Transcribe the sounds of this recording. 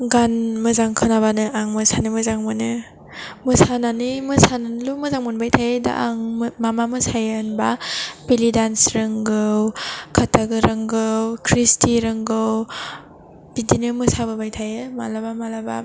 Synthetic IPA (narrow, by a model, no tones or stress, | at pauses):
ɡanmɯzaŋkʰɯnabanɯaŋmɯsanɯmɯzaŋmɯnɯ | mɯsananimɯsananlumɯzaŋmɯnbajtʰajeda̰ʔaŋmamamɯsajenbapilidansɾɯŋɡɯwkʰatʰaɡɯɾɯŋɡɯwkʰɾistʰiɾɯŋɡɯw | b̥idinɯmɯsabɯbajtʰajɯma̰labamalaba̰